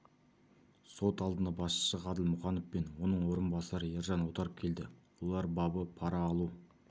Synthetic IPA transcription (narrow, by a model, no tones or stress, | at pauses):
so̞t̪ɑlˠd̪ənɑbɑsʃə̥səʁɑd̪əlˠmʊχɑnofpenwo̞nəɴwo̞ɾənbɑsɑɾəjeɾʒɑnwot̪ɑɾəp̚kʲʰe̞ld̪ɪwo̞lˠɑɾbɑbəpʰɑɾɑːlˠu